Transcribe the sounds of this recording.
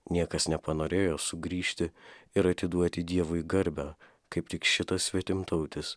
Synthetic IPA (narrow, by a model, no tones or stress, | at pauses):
nʲiɛkɐsnʲɛpɐnoːɾʲeːjoːsʊɡɾʲiːʃʲt̪ʲɪɪɾɐt̪ʲɪd̪uɔt̪ʲɪd̪ʲiɛʋʊɡɐɾʲbʲæː | kɐɪpt̪ʲɪkʃʲɪt̪ɐssʲʋʲiɛt̪ʲɪmt̪ɐʊt̪ʲɪs